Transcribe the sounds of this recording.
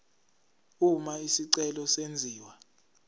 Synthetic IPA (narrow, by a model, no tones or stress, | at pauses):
umaisiǀɛlɔsend͡zʱiːwa